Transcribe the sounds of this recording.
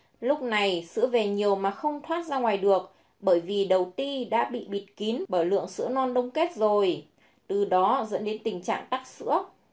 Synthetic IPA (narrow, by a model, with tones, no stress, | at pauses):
lʊ˦˥k͡p̚na˨˩jsɨ̰˧˥əve˨˩ɲi˨˩əwmaː˨˩xə˧wŋ͡mt̪ʰwaː˦˥t̚zaː˧ŋwaː˨˩jɗɨ˨˩ək̚ | ɓəː˧˩jvi˨˩ɗə˨˩wt̪i˧ɗa̰ː˧˥ɓḭ˧˨ɓi˨˩t̚ki˨˦ənɓəː˧˩jlɨ̰˧˨əŋsɨ̰˧˥ənɔ˧nɗə˧wŋ͡mke˦˥t̚zo˨˩j | t̪ɨ˨˩ɗɔ˨˦zə̰˧˥nɗe˨˦nt̪ï˨˩ŋ̟t͡ɕa̰ː˧˨ŋt̪a˦˥k̚sɨ̰˧˥ə